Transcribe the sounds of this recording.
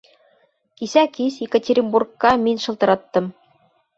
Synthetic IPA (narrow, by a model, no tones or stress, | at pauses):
kisækisjekətʲeɾʲimburkːɑmʲɘnʲʃɤ̆lˠt̪ɤ̆ɾɑt̪ːɤ̆m